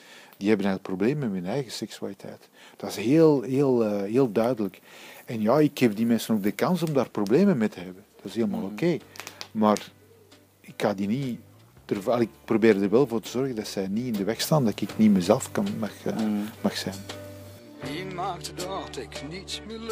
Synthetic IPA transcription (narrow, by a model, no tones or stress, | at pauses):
d̥iɦɛbənɛjɣləkprobleːməmɛɦɵnɛjɣəsɛksya̰ːlitʰɛ̰jt | d̥ɑɪsɦeːlˠɦeːlˠəɦeːlˠdœɥdələkɛnjaːɪkhɛpdimɛnsənoːɡ̚dəkɑnsɔmdaːrprobleːmənmetəɦɛbənd̥ɑɪsɦeːlˠəmaːlˠokeːmaːr | ɪkhaːdini | d̥ərvalɪɪk̚probeːɾdərʋɛlˠvoːrtəzɔrɣəndɑtsɛjniɪndəʋɛxstaːndɑtɪknimɛzɛlˠfkɑnmɑxmɑxsɛn | imaːk̚tədtɪknitsmɪ